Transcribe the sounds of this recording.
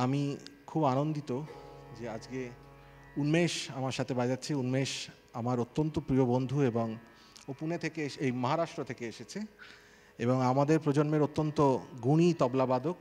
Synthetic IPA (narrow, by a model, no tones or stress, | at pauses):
amikʰubanond̪it̪od͡ʑead͡ʑke | unmeʃamaɾʃat̪ʰebad͡ʑatːɕʰeunmeʃ | amaɾot̪ːont̪opɾiobond̪ʱueboŋ | opunet̪ʰekeejmɔɦaɾaʃʈɾot̪ʰekeeʃet͡ɕʰe | eboŋamad̪eɾpɾod͡ʑonmeɾot̪ːont̪oɡuɽ̃it̪ɔblabad̪ok̚